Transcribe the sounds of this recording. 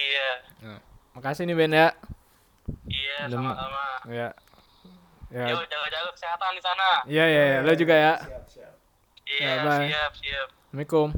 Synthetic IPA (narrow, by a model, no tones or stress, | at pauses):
ija | makasɪnibɛnja | ijadəmamaja | jaad͡ʒalad͡ʒaɡakseŋat̪andisanaijajajalod͡ʒuɡaja | iaabaap̚siap̚mikʊm